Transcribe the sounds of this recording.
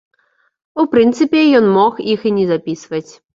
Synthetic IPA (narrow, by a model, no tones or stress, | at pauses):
upɾɨnt̪sɨpʲɛjɔnmɔxixinʲɛzapʲisvɐt͡sʲ